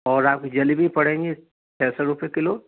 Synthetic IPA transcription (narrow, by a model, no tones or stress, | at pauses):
ɔːɾaːp̚kid͡ʒɐlibʱipɐɽ̤ẽːŋɡe | t͡ʃʰɛːsɔɾʊpekɪloː